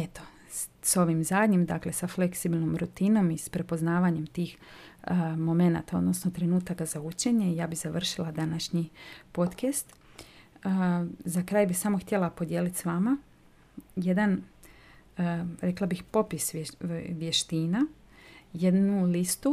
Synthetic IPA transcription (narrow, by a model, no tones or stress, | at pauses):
et̪o̞̥ | so̞ʋimzaːd̪ɲimd̪akle̞safle̞ksibilʲnomɾut̪ino̞mispɾe̞po̞znaːʋaɲe̞mt̪iːx | mo̞me̞na̰ːt̪ao̞̰d̪no̞sno̞t̪ɾe̞nuːt̪akazaut͡ʃe̞ɲe̞ijaːbizaʋr̩ʃilad̪anaʃɲipo̞t̪kest̪ː | zakɾaːjbixsamoxt̪ʲjelˠapo̞d̪jeːlit̪sʋama | je̞d̪an | ɾe̞klabixpo̞pisʋje̞ʃt̪iːna | je̞d̪nulist̪u